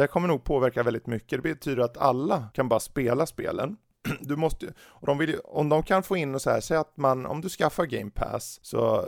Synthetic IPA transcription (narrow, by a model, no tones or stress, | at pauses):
d̪ɛkʰɔmːəɳuːɡ̚pʰoːvæɾkavɛld̪ɪt̪mʏkːəd̪ɛbɛt̪ʰyːd̪əɾat̪ʰa̰lːakʰanbɑːɾaspeːlaspḛːlə̰n | d̪ɵmɔst̪ə | ɔd̪ɔmvɪljɔmd̪ɔmkʰanfoːɪnːɔsɛæːʂɛjat̪manɔ̰md̪ɵskafːaɾɡɛɪmpʰæ̰ssɔ̰